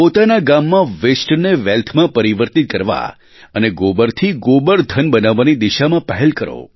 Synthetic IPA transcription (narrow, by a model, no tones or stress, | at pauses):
pot̪anaɡamːãʋesʈneʋɛlt̪ʰmãpəɾiʋəɾt̪it̪̚kəɾʋa̰ | əneɡobəɾt̪ʰiɡobəɾd̪ʱənbənaʋanid̪iʃamãpəɦɛlkəɾo̰